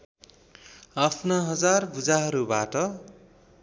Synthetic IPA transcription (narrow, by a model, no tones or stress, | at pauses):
apʰnʌɦʌd͡zarbud͡zaɦʌɾubaʈʌ